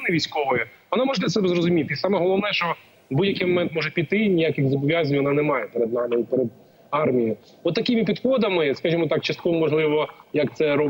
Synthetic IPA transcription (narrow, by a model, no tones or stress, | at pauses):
nɪʋʲijsʲkɔʋɔjɛʋɔnamɔʒlˠɛsɛbɛzɾɔzʊmʲit̪ɪsɑmɛɦɔlˠɔʋnɛʃɔ | budʲjɐkɪjmɔmɛnt̪mɔʒɛpʲit̪ɪnʲijakɪxzɔbɔʋʲjazʲnʲʋɔnɑnɛmɑjɛpɛɾed̪nɑmɪipɛɾɛd̪̚ | ɑrmʲiji | ɔt̪ːɐkɪmɪpʲid̪xɔd̪ɐmɪskɐʒimɔt̪ɑkt͡ʃɐst̪̚kɔʋɔmɔʒlˠɪʋɔjɐkt̪sɛɾɔ